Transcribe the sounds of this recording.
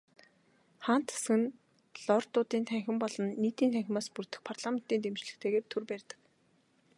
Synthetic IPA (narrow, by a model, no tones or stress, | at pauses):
χan̥t̪e̥sxɘ̆n | ɮɔrt̪ʊːt̪iːnt̪ʰæŋxʲɪ̆mpɔɮɞ̆nːiːt̪iːnt̪ʰæŋxʲɪ̆maːspur̥t̪ɘ̆xpʰart̪ɮamen̥t̪iːnt̪emt͡ɕɮɘ̆xt̪ʰeːɣeːrt̪ʰurpærʲt̪ə̥̆k